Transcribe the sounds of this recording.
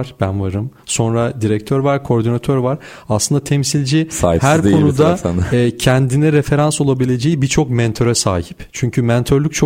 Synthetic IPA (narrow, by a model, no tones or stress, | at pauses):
ɾ̥bænvaɾɯmso̞nɾad̪iɾɛc̚t̪ʰøɾvaɾkʰo̞ɾd̪inat̪ʰøɾvaɾ̥ | aslˠɯnd̪at̪ʰɛmsilʲd͡ʒisa̰ːjhæɾd̪ko̞nud̪aanːcʰɛnd̪inɛɾefe̞ɾanso̞lˠabilʲe̞d͡ʒejibit͡ʃʰo̞kmɛnt̪ʰø̞ɾɛsa̰ːɦi̥pt͡ʃʰyɲcʰymɛnt̪ʰø̞ɾlʲyc̚ʲt͡ʃʰo